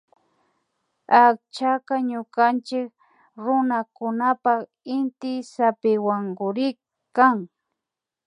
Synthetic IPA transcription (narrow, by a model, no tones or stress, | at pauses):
ak̚t͡ʃakaɲʊkant͡ʃɪk̚ | ɾʊnakʊnapak | ɪnt̪ɪsapɪwaŋɡʊɾɪ | kːaŋ